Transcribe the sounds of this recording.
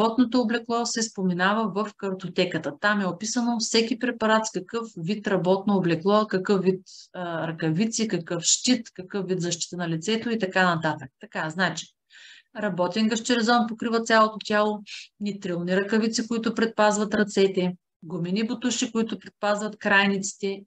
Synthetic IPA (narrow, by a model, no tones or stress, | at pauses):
ɔt̪not̪oːblɛklˠɔsɛspomɛnavəvɐfkɐɾt̪ot̪ɛkət̪ət̪amɛopisənofsɛkʲipɾɛpɐɾat̪skɐkɤfvit̪ɾɐbɔt̪̚noːblɛklˠɔkɐkɤfvit̪ːɾɐkɐvit̪sikɐkɤfʃt̪it̪kɐkɤfvid̪zɐʃt̪i̥t̪ənɐlit̪sɛt̪oit̪ɐkanɐt̪at̪ək̚t̪ɐkaznat͡ʃi̥ | ɾɐbɔt̪ɛnɡɐʃt͡ʃ̪ɛɾɛzɔnpokɾivɐt̪sʲjalˠot̪ot̪ʲjalˠonit̪ɾilˠniɾɐkɐvit̪sikoit̪ʊpɾɛt̪̚pazvɐt̪ɾɐt̪sɛt̪ɛ | ɡominibʊt̪uʃikoit̪ʊpɾɛt̪̚pazvɐt̪kɾajnit̪si̥t̪ɛ